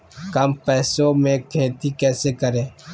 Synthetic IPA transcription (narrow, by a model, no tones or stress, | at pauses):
kɐmpɛːsõmẽkʰeːt̪ikɛːsekəɾẽː